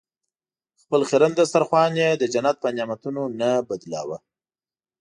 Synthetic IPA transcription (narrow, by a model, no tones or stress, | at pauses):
xpəlxeɾand̪əst̪aɾxwɑnjed̪əd͡ʒanat̪̚pənjɑmat̪unonabad̪lɑ̰wa